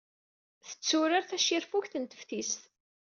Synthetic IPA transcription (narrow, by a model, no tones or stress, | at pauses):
θə̥t͡sːʊɾaɾθæʃiɾfuçθənt̪ə̥fθisθ